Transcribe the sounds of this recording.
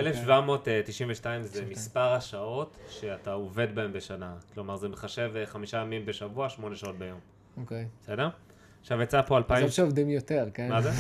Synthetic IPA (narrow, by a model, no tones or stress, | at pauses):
elefʃvamo̞ttːiʃiɱveʃtaimzemispaʁhaʃao̞tʃe̞ataove̞d̚baembe̞ʃanaklo̞maʁzemeχaʃe̞veχamiʃajamimbe̞ʃavuaʃmo̞ne̞ʃaot̚bejo̞m | okejese̞de̞ʁ | aχʃavjat͡sapo̞alpaiʃeovd̪imjot̪eʁkenmaze